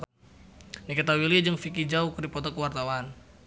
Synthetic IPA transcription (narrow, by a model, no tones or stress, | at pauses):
nikat̪awilid͡ʒəŋfikid͡ʒaukɾipɔt̪ɔkəwart̪awan